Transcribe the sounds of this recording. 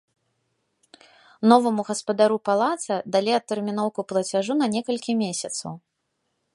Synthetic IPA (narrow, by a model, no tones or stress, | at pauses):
nɔvɐmuɣɐspɐd̪aɾupalˠat̪sɐd̪alʲiɐt̪ːɛrmʲinɔwkuplˠɐt͡sʲaʐunɐnʲɛkɐlʲkʲimʲesʲɐt̪sɐw